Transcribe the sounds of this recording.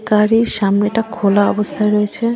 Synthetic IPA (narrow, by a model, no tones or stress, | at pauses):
kaɾiɾʃamneeʈakʰolaɔ̰bost̪ʰaeɾoet͡ɕʰe